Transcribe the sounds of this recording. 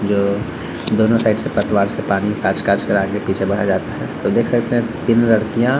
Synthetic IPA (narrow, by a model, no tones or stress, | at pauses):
d͡ʒoː | d̪oːnõsaːɪɖsepɐt̪waːɾsepaːnikaːɾt͡ʃkaːɾt͡ʃkɐɾaːɡlepiːt͡ʃʰebɐɽ̤ad͡ʒaːt̪aɦɛːt̪od̪eːkʰsɐkt̪eɦɛ̃t̪inlɐɽkijã